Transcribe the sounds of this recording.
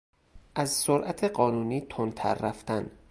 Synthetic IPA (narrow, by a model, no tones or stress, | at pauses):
ʔæzsoɾʔæt̪ʰe̞ɢɒːnuːniːt̪ʰont̪ʰæ̰ɾːæft̪æn